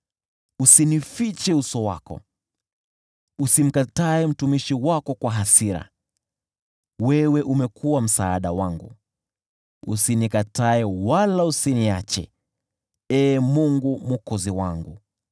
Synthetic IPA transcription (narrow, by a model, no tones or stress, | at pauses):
usinifit͡ʃɛusɔwa̰kɔ̰ | usim̩kataɛm̩tumiʃiwakɔkwaɦasiɾa̰ | wɛwɛʔumɛkʰuwam̩saːɗawaŋɡṵ | ṵsinikataɛwalausiniat͡ʃɛ̰ | ɛːmuŋɡumukɔziwaŋɡṵ